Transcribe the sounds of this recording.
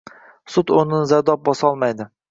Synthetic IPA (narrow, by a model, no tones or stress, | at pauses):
sʊt̪ʊnɪnzaɾd̪ɒp̚bɒsɒlˠmajd̪ɪ